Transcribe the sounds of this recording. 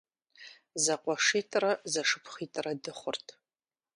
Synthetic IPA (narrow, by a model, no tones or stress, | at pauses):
zɐqʷʼɔʂiːtʰʼrɐzɐʂɨpʰχiːtʰʼɨrɐdɨχʷʊrtʰ